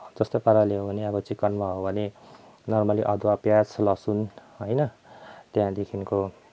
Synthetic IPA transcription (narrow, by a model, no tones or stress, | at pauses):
d͡zʌst̪opaɾaleɦobʱʌneʌbʌt͡sikʌnmaɦobʱʌne | nʌrmʌliʔʌd̪wapjat͡sʰlʌsunɦʌjnʌt̪jãd̪ekʰinko